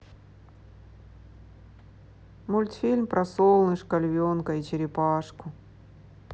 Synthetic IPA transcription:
mʊlʲt̪fʲilʲmpɾʔɐsolˠnɨʂkɐlʲvʲonkɐit͡ɕɪɾʲɪpaʂkʊ

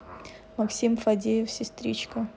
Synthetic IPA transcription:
mɐksʲimfɐdʲejɪfsʲɪst̪ɾʲit͡ɕkə

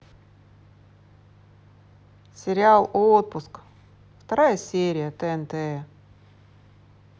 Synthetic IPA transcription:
sʲɪɾʲɪalˠot̪̚pʊsk | ft̪ɐɾajəsʲeɾʲɪjət̪ɛɛnt̪ɛ

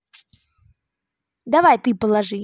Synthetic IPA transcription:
d̪avajt̪ɨpəlˠaʐɨ

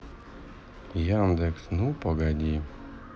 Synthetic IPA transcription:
jand̪ɛksnupɔɡadʲi

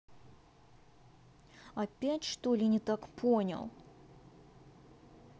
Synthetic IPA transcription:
ɐpʲætʲʂt̪olʲɪnʲɪt̪akpʰonʲə̰lˠ

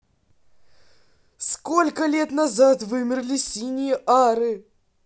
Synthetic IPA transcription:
sko̞lʲkəlʲet̪nazat̪vɨmʲɪrlʲɪsʲinʲɪjəʔaɾɨ

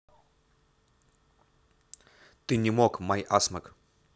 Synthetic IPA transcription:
t̪ɨnʲɪmokmajʔasmɐk

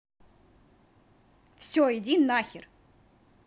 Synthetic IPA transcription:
fsʲɔɪdʲinːaxʲɪr

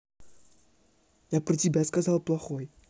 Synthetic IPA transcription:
japɾətʲɪbʲaskazalˠplˠɐxoj

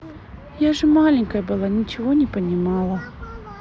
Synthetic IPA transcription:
jaʐɛmalʲɪnʲkəjəbɨlˠanʲit͡ɕɪvonʲɪpənʲɪmalˠɐ

